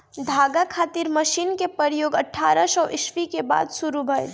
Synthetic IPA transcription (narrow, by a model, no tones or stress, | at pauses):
d̪ʱaːɡakʰaːt̪iɾməʃiːnkepəɾjoːɡəʈʰːaːɾəsəʊʔɪʃʋikeba̰ːd̪sʊɾubʱə